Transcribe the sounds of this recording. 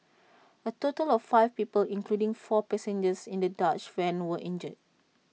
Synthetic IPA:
ətotəlɔfːaɪfpipəlĩŋkludĩŋfɔpɛsɛ̃nd͡ʒəsĩndədat͡ʃfɛ̃nwəʔĩnd͡ʒəd̚

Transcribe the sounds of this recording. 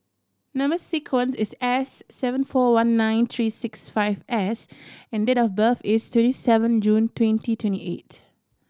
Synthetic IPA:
nãmbəsikʰwə̃nsɪsɛsːɛvə̃nfɔwãnːãɪ̃nt̪ʰɹisɪksfaɪvɛsɛ̃ndetɔfbəfɪstwɛ̃nisɛvə̃nd͡ʒũntwɛ̃ntitwɛ̃ntiʔḛt

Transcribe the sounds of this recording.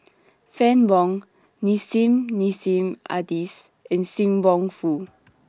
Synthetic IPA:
fɛ̃nbɔ̃ŋ | nisĩmnisĩma̰dis | ɛ̃nsĩŋbɔ̃ŋfu

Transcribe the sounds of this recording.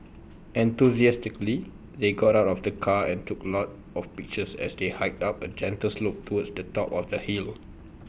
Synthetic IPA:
ʔɛ̃nt̪uziɛstikli | deɡɔtaʊtɔfdəkʰaɛ̃ntuklɔt | ɔfpik̚t͡ʃəsɛ̰sdehaɪk̚tapəd͡ʒɛ̃ntəslop̚tʰuwədsdətɔpɔfdəhil

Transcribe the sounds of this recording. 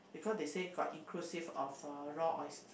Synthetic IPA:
bikʰɔsdeseɡɔtĩŋkʰlusifɔfəɹɔʔɔɪs

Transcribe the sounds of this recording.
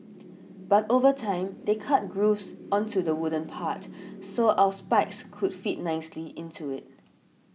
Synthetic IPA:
b̥atovətʰãɪ̃mdekʰat̚ɡɹufsʔɔ̃ntʰudəwʊdə̃npʰatsoʔaʊəspakskʰudfit̚naɪsliɪ̃ntʰuɪt̚

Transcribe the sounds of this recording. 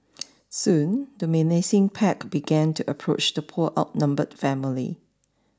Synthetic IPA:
sũndəmɛnesɪ̃ŋpʰɛkb̥iɡɛ̃ntʰuʔəpʰɹo̰t͡ʃdəpʰuʔaʊt̚nãmbəd̥fɛ̃məlḭ

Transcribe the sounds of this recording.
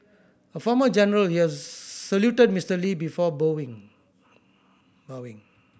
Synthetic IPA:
əfɔməd͡ʒɛnəɹəlhiɛssəljutəd̚mistəlibifɔboĩŋ | boĩŋ

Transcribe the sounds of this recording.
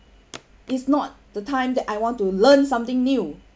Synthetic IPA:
ʔɪtsnɔt̚d̥ətʰãɪ̃mdɛtajwɔ̃ntulə̃nsãmt̪ɪ̃ŋnu

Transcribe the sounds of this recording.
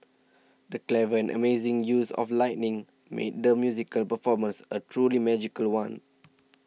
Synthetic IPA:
dəklɛvəɛ̃nʔə̰mezĩŋjusɔ̰flaɪʔnĩŋ | mʔḛt̚dəmjuzikəlpəfɔmə̃nsətʰɹulimɛd͡ʒikəlwãn

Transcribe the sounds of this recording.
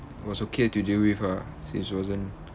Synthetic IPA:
wɔsokʰetudewifa | sḭ̃nswɔzə̃n

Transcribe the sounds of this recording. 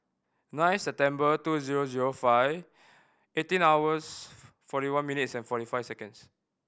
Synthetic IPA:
nãɪ̃nsɛp̚tɛ̃mbətuziɹoziɹofaɪv | etĩnawəs | fɔɾiwãnminitsɛ̃nfɔtifajfsɛkə̃ns

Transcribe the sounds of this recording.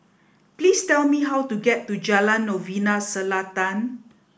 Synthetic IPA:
plistɛlmiɦawtuɡɛtːud͡ʒalãnːovinasəlatãn

